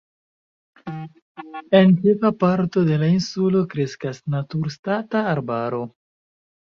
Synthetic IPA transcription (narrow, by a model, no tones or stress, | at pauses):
e̞nt͡ʃevapaɾto̞de̞lainsulo̞kɾe̞skasnatuɾstataːɾbaɾo̞